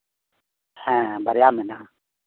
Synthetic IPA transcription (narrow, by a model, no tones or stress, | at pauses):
hɛ̃bʱɐɾjaːmɛna